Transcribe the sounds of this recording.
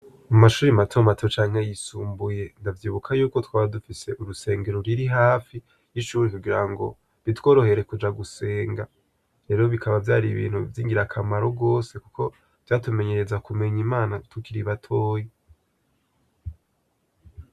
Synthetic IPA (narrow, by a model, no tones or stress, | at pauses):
mumaʃuːɾimatʰo̞matot͡ʃaːŋhe̞jisuːmbuje̞ndavjiːβukʰajuːko̞twaːβadufise̞ʔuɾuse̞ːŋɡe̞ɾoɾiɾiɦaːfi | jiʃuːɾikuɡiɾaŋɡo̞̰ | βitwo̞ːɾo̞he̞ɾe̞kud͡ʒaɡuse̞ːŋɡa | ɾe̞ːɾo̞βikʰaβavjaːɾiβḭːn̥hṵvjiːŋɡiɾakʰamaɾoɡo̞ːse̞kuko̞ | v̥jaːtume̞ɲe̞ɾe̞zakume̞ɲimaːnatʰukiɾiβatʰo̞ːji